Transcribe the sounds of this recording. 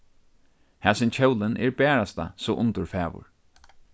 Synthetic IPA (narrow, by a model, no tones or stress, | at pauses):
hɛːsɪnt͡ɕʰɛwlɪnʔɛɹbɛːɹast̪a̰sɔʔʊnt̪ʊɹfɛːʋʊ̰ɹ